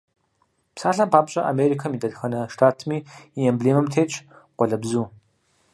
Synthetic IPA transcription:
psaːɬɐmpʰaːpɕʼɐʔa̰meːɾikʰɐmiːdɐdxɐnɐʂtʰaːtʰmiːiɛmbɮeːmɐmtʰeːt͡ʃʼ | qʷɔɮɐbzuː

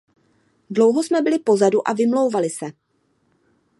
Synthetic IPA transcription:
dlo̞wɦosmɛbɪlɪpo̞zaduʔa̰vɪmlo̞wvalɪsɛ

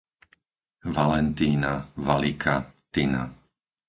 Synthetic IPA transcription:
ʋalɛnt̪iːnavalikʰat̪ina̰

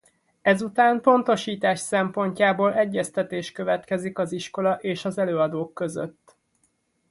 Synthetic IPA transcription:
ɛzut̪aːmpo̞nt̪o̞ʃiːt̪aːʃsɛmpo̞ɲcaːboːlʔɛɟːɛst̪ɛt̪eːʃkø̞vɛt̪kɛzikɒziʃko̞lɒʔeːʃɒzɛløːɒd̪oːkːø̞zø̰t̪ː

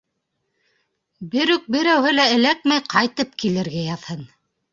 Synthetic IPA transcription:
bɘɾʉk̚bɘ̆ɾæwhɘlæɘ̆læk̚mæjqʰɑjt̪ɤp̚kilɘ̆ɾɡæjɑðhɤn

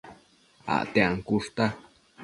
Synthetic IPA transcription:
a̰ʔt̪eʔaŋkuʂt̪a

